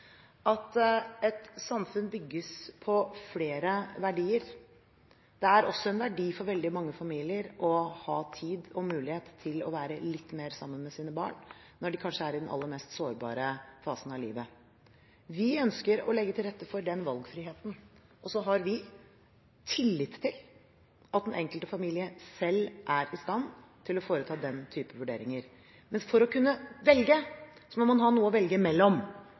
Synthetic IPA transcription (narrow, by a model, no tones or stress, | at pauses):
ʔɑt̪ɛt̪sɑmfʉnbʏɡːəspʰɔfleːɾəʋæɖiːəɾ | d̪̥ɛæɾɔsːɔɛnʋæɖiːfɔɾʋɛld̪ɪmɑŋːəfɑmiːlɪəɾʔɔhɑːt̪ʰiːd̪ɔmʉːlɪheːt̪ʰːɪlɔ̰ʋæːɾəlɪt̪ːmeːɾsɑmːənmɛsiːnəbɑ̰ːɳ | nɔɖɪkʰɑnʂəæɾɪd̪ɛnɑ̰lːəɾmɛːst̪soːɾbɑ̰ːɾəfɑːsən̩ɑʋlḭːʋə | ʋɪœnskəɾɔ̰lɛɡːət̪ʰɪlɾɛt̪ːəfɔɖɛnʋɑlɡfɾɪheːt̪n̩ | ɔsɔɦɑɾʋɪ | t̪ʰɪlːɪt̪t̪ʰːɪl | ʔɑt̪d̪ɛnʔɛŋkəlt̪əfɑmiːlɪəsɛlːʔæɾɪst̪ɑnː | t̪ʰɪlɔfoːɾət̪ʰɑːd̪ɛnt̪ʰyːpəʋʉɖeːɾɪŋəɾ | mɛnfɔɾɔkʉnːəʋɛlɡəsɔmɔmɑnɦɑnuːəɔʋɛlɡəmɛlːɔm